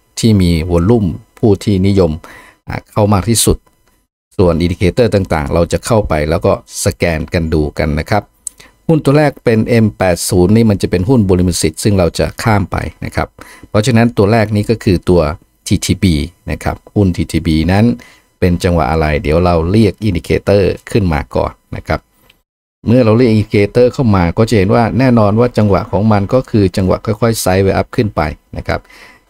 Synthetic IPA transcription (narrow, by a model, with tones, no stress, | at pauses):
t̪ʰiː˥˩miː˧wu˧ənlu˥˩mpʰuː˥˩t̪ʰiː˥˩ni˦˥jo˧m | ʔa̰ː˨˩kʰa˥˩wmaː˥˩k̚t̪ʰiː˥˩su˨˩t̪̚ | su˨˩ənʔi˧ndi˧kʰeː˧t̪ɤː˥˩t̪aː˨˩ŋt̪a̰ː˨˩ŋɾa˧wt͡ɕa˨˩kʰa˥˩wpa˧jlɛː˦˥wkɔː˥˩sa˧kɛː˧nka˧nduː˧ka̰˧nːa˦˥kʰɾa˦˥p̚ | hu˥˩nt̪u˧ɐlɛː˥˩k̚pe˧nʔe˧mpɛː˨˩t̪̚suː˩˦nːiː˥˩ma˧nt͡ɕa˨˩pe˧nɦu˥˩nboː˧li˧mɯ˧˩nsi˨˩t̪̚sɯ˥˩ŋɾa˧wt͡ɕa̰˨˩kʰaː˥˩mpa̰˧jna̰˦˥kʰa̰˦˥pʰɾɔ˦˥t͡ɕʰa˧na˦˥nt̪u˧ɐɾɛː˥˩k̚niː˦˥kɔː˥˩kʰɯː˧t̪u˧ɐ | t̪ʰiː˧t̪ʰiː˧biː˧na̰˦˥kʰa̰˦˥p̚hu˥˩nt̪ʰiː˧t̪ʰiː˧˩biː˧na˦˥n | pe˧nt͡ɕa˧ŋwa̰˨˩ʔa˧ɾa˧jdiː˩˦wɾa˧wɾi˥˩ək̚ʔi˧ndiː˨˧˩kʰeː˧t̪ɤː˥˩kʰɯ˥˩nma̰ː˧kɔ̰ː˨˩nːa̰˦˥kʰa˦˥p̚ | mɯ˥˩ɐɾa˧wɾi˥˩k̚i˧ndi˧kʰeː˧t̪ɤː˥˩kʰa˥˩wmaː˧kɔː˥˩t͡ɕa˨˩he˩˦nwaː˥˩nɛː˥˩nɔː˧nwaː˥˩t͡ɕa˧ŋwa̰˨˩ʔkʰɔː˩˦ŋma˧nkɔː˥˩kʰɯː˧t͡ɕa˧ŋwa̰˨ʔkʰɔː˥˩jkʰɔ˥˩jsa˦˥jweː˧ʔa˦˥p̚kʰɯ˥˩npa̰˧jna̰˦˥kʰa̰˦˥p̚